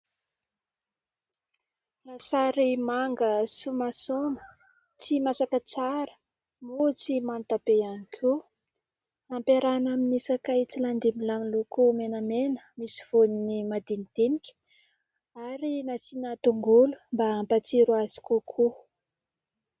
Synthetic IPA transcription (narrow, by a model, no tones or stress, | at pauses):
lasaɾimaŋɡəsumasomə | t͡simasakət͡saɾə̥ | mut͡simant̪apeanikʲʰu | ampeɾanaminisakajt͡siland̪imilamilukumenəmenə̥misi̥v̥uninimad̪inid̪̥enikʲə̥ | aɾinasinat̪uŋɡulumbaampat͡siɾuazi̥kukʰu